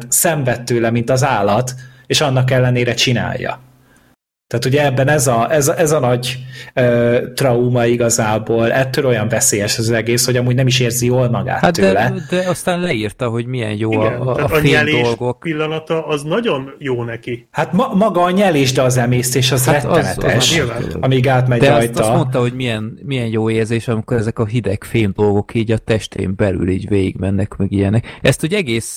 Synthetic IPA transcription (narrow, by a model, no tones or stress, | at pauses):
t̪sɛɱvɛt̪ːøːlɛmint̪ɒzaːlːɒt̪ | eːʃɒnːɒkɛlːɛneːɾɛt͡ʃina̰ːjːɒ̰ | t̪aːt̪uɟɛɛbːɛnɛzɒʔɛzɒʔɛzɒnɒɟøːt̪rɒumɒiɡɒzaːboːlɛt̪ːøːlo̞jɒɱvɛseːjɛʃɛzɒzɛɡeːsho̞ɟɒmuːɟnɛmiʃeːrzijoːlmɒɡa̰ːtat̪ːøːlɛd̪ɛɒst̪aːnlɛirt̪ɒɦo̞ɟmiɛ̰njoː | eɛleːoʃlɡokpilːɒnɒt̪ɒːznɒɟo̞njoːnɛkihat̪mɒmɒɡɒːɲɛleːʒd̪ɛɒzɛmeːst̪eːʃɒzaɛt̪ɒznɛɛʃila̰ːɒmiɡaːt̪mɛd̪ɛsjt̪ɒsmo̞nt̪ɒɦo̞ɟmijɛnmijɛnjoːeːrzeːʃɒmiko̞ɾɛzɛkɒɦid̪ɛkfeːmd̪o̞lɡo̞kiːɟɒt̪ɛʃt̪ḛːmbɛly̰lḭːɟveːjḭɡmɛnːɛkmɛɡijɛnɛkɛst̪oɟɛɡeːs